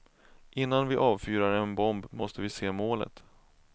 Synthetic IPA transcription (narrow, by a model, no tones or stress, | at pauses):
ʔɪnːanvɪʔɑːvfyːɾaɾɛnbɔmbmɔst̪əvɪseːmoːlə̰t̪